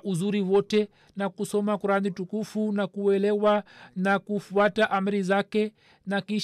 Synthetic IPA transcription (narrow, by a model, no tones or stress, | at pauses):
ʔuzuɾiwɔtɛ | nakusɔmakuɾanitukufunakuɛlɛwanakufuataʔam̩ɾizakɛ | nakiʃ